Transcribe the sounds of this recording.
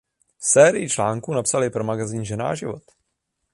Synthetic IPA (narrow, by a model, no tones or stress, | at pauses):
sɛːɾɪjɪt͡ʃlaːŋkunapsalɪpɾo̞maɡaziːnʒɛna̰ːʒɪvo̰t̪